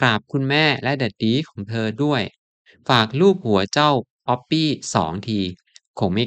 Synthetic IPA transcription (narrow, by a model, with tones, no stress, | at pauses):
kɾaː˨˩p̚kʰu˧nmɛː˥˩lɛ˦˥ʔda˨˩t̪̚diː˦˥kʰɔː˩˦ŋt̪ʰɤː˧du˥˩əj | faː˨˩k̚luː˥˩p̚hu˨˩˦ɐt͡ɕa˥˩w | pɔ˦˥pːiː˥˩sɔ̰ː˩˦ŋt̪ʰiː˧ | kʰo˧˦ŋma˥˩